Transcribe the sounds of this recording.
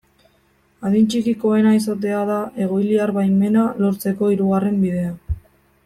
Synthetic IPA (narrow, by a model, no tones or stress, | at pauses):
aðint͡ʃikiko̞e̞nais̬at̪̬e̞aðaʔe̞ɣ̞o̞jliaɾβajmːe̞nalo̞ɾt͡se̞ko̞iɾuɣare̞mbiðe̞a